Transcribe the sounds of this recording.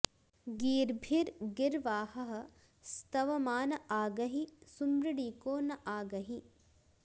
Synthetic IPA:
ɡiːɾbʱiɾɡɪɾʋaːhɐɦɐ̆ | st̪ɐʋɐmaːnɐʔaːɡɐɦisumɾɪɽiːkoːnɐʔaːɡɐɦi

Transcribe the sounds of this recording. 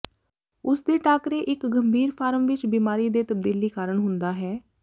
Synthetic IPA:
ʊsd̪eːʈaːkɾeːʔɪkɡəmbʱiːɾpʰaːɾəmʋɪt͡ʃbiːmaːɾiːd̪eːt̪əb̚d̪iːliːkaːɾəɳɦʊnd̪aːɦɛː

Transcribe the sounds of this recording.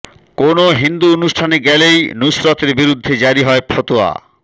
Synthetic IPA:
konoɦind̪uonuʃʈʰaneɡɛlejnusɾot̪eɾbiɾud̪ʱːed͡ʑaɾiɦɔepʰɔt̪oa̰

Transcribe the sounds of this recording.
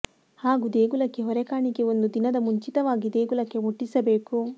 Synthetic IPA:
haːɡud̪eːɡulɐkːe̞ɦɔɾɛkaːɳiɡeo̞nd̪ud̪inɐd̪ɐmuɲt͡ʃit̪ɐʋaːɡid̪e̞ːɡulɐkːe̞muʈːisɐbeːku

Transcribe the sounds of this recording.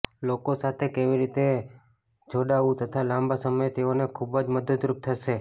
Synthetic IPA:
lokosat̪ʰekeʋiɾit̪e | d͡ʒʱoɽaʋũt̪ət̪ʰalãmbasəməjet̪eonekʰubəd͡ʒməd̪əd̪ɾup̚t̪ʰəʃe

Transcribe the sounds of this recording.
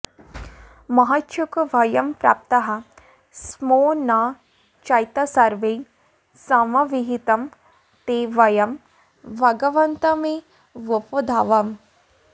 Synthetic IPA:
mɐɦɐt̪ʃukʋɐjɐmpɾa̰ːp̚t̪ɐɦɐ | smoːna | t͡ʃɐjt̪ɐsɐɾʋe | sɐmɐʋiɦit̪ɐm | t̪eːʋɐjɐm | bʱɐɡɐʋɐnt̪ɐme | ʋupod̪ʱaːʋɐm

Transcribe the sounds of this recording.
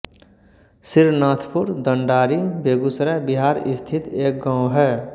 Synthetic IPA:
sɪɾnaːt̪ʰpʊɾd̪əɳɖaːɾibeːɡusɾabiɦaːɾɪst̪ʰɪt̪eːk̚ɡãːʊ̃ɦɛː

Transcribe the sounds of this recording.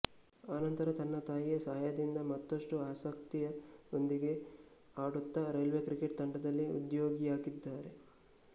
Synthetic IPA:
aːnɐnt̪ɐɾɐt̪ɐnːɐt̪aːjijɐsɐɦɐjɐd̪ind̪ɐmɐt̪ːɐʂʈuaːsɐkt̪ijɐo̞nd̪iɡe̞ | aːɽut̪ːɐɾɐjlʋeːkɾikeʈ̚d̪ɐɳɖɐd̪ɐlːiṵd̪joːɡijaːɡid̪ːaːɾe̞

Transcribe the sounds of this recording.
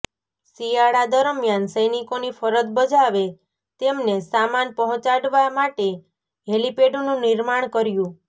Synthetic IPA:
siaɭad̪əɾmjansəjnikonifʰəɾət̪bəd͡ʒʱaʋe | t̪emnesamanpəɦɔ̃t͡ʃaɽʋamaʈe | ɦelipeɖonũniɾmaɳ̃kəɾjũ

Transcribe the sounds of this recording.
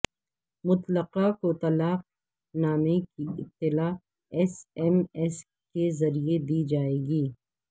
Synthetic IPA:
mʊt̪ləqakot̪ɐlaːq̚ | naːmekiɪ̰t̪ːɪlaː | ɛsɛmɛs | kezɐɾied̪iːd͡ʒaːeːɡiː

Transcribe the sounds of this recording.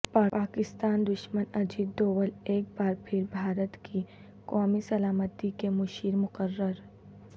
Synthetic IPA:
paːpaːkɪst̪aːnd̪ʊʃmənɐd͡ʒiːd̪ːoːwəleːk̚baːɾpʰɪɾbʱaːɾət̪ki | kɔːmisɐlaːmət̪ikemʊʃiːɾmʊqəɾːəɾ

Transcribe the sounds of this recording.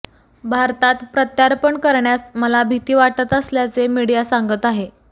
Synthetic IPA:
bʱaɾt̪at̪pɾət̪jaɾpəɳkəɾɳjasməlabʱit̪iːʋaʈət̪əsljat͡semiɽijasaŋɡət̪aɦe

